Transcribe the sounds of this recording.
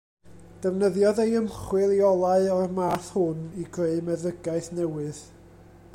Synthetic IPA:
d̥əvnəðjɔðejəmχwɨlˠiɔlˠaɨɔəmaθhʊniɡreɨmɛðəɡaɨθnɛwɨð

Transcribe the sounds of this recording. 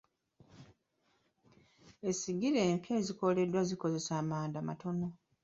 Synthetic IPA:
e̞siɡiɾeːmpjaeziko̞le̞dːwaziko̞ze̞saːmaːndama̰to̞no̞

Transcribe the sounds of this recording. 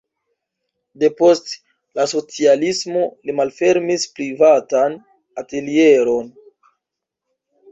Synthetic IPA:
de̞po̞st | laso̞t͡sialismo̞limalfe̞ɾmispɾivatan | ate̞lie̞ɾo̞n

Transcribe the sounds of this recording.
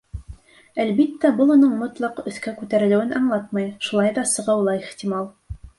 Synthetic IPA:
ælbit̪ːæbɤlˠunɤɴmŏt̪lˠɑqɵ̆θkækʉt̪æɾɘ̆lɘ̆wɘnʔɑɴlˠɑt̪̚mɑjʃulˠɑjðɑsɤ̆ʁɤwlˠɑiχt̪ʲimɑlˠ

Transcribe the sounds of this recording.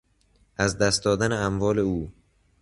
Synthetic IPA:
ʔæzd̪æst̪̚d̪ɒːd̪æneæmvɒːle̞uː

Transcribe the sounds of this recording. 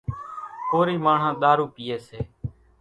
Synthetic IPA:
poːɾiːmaːɳ̤ãːɗ̪aːɾuːpiːeːseː

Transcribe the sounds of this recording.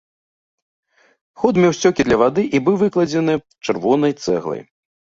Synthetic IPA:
xɔd̪mʲɛwsʲt͡sʲɔkʲid̪lʲɐvad̪ɨʔibɨwvɨklˠɐd͡zʲɛnɨ | t͡ʂɨrvɔnɐjt̪sɛ̰ɣlˠɐ̰j

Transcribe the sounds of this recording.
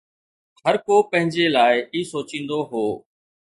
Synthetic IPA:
həɾkoːpə̃ɦɪ̃ɲd͡ʑelaːɪiːsoːt͡ʃĩːn̆d̪oɦoː

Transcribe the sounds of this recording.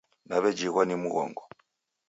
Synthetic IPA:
naβɛd͡ʒiɣwanimuɣɔ̰ŋɡɔ

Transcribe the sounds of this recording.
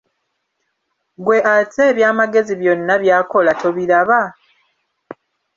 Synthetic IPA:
ɡwe̞ʔat͡se̞ːβjaːmaɡe̞ziβjo̞nːaβjaːko̞lato̞βiɾaβa

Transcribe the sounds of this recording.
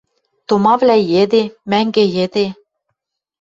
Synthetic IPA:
t̪omɑvlæjed̪emæŋɡejed̪e

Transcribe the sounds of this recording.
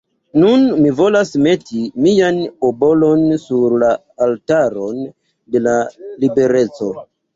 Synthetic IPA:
nunmivo̞lasme̞timijanobo̞lo̞nsuɾlaː | ltaɾo̞n | de̞lalibe̞ɾe̞t͡so̞

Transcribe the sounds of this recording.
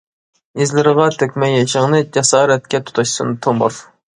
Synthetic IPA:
izlɪɾʁɑt̪ʰøkʲmɛjːɑʃəŋnɨd͡ʒɛsɑːɾɛt̪̚kʲɛt̪ʰu̥t̪ʰɑʃsɨnɨt̪ʰombo̰ɾ

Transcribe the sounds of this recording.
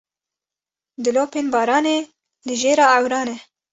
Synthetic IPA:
d̪ɨloːpeːnbɑːɾɑːne | lɨʒeːɾɑːawɾɑːnɛ

